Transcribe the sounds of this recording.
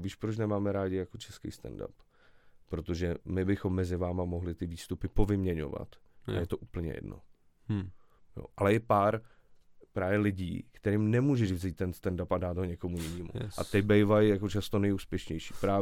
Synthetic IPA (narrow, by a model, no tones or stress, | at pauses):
viːʃpɾot͡ʃnɛmaːmɛɾaːɟɪjako̞t͡ʃɛskḭjst̪ɛ̰nda̰pː | ɾo̞t̪o̞ʒɛmɪbɪxo̞mːɛzɪvaːmamo̞ɦlɪt̪ɪviːst̪upɪpo̞vɪmɲɛɲo̞̰va̰t̪ʔa̰jɛt̪o̞ʔuːpl̩ɲɛ̰jɛ̰dno̰ | jo̰ʔalɛjɛpaːɾ | pɾaːvjɛlɪɟḭːkt̪ɛɾiːmnɛmuːʒɛʒvziːt̪̚ːɛnst̪ɛndapadaːd̪ɦo̞ɲɛko̞mujɪniːmṵʔa̰t̪ɪbɛjvajjako̞t͡ʃast̪onɛjuːspjɛʃɲɛjʃi̥ːpɾaː